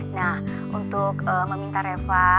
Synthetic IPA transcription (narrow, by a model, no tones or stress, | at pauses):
nah | ʔunt̪ʊkəməmint̪aɾefa